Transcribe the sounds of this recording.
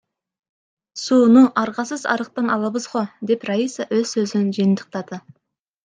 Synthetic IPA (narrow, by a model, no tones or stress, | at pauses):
suːnuʔɑɾʁɑsəzɑ̰ɾəq̚t̪ɑnɑlˠɑbəzʁod̪e̞praisaʔwɵz̥sɵzɪnʒijɪnt̪ʰəq̚t̪ɑd̪ə